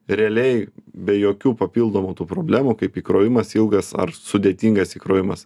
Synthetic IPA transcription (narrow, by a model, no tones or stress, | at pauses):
ɾʲɛɐlʲɛɪbʲɛjoːkʲuːpɐpʲilˠd̪oːmuːt̪uːpɾoːbʲlʲæːmukɐɪpiːkɾoːʋʲɪmɐsilˠɡɐsɐ̰ɾsʊd̪ʲeːt̪ʲiːŋɡɐsiːkɾoːʋʲɪmɐs